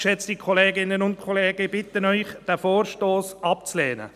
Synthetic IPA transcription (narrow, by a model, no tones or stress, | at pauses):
ʃɛt͡stikʰɔleːɡɪnːənʊnt̚kʰɔleːɡ̥əb̥ɪt̪ːənœʏχd̥æfoːɾʃtoːsɑp̚t͡slɛːnə̰